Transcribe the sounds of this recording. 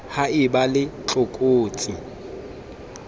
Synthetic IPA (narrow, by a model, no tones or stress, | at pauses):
haɪbalɪt͡ɬʼʊkʼoːt͡sʼi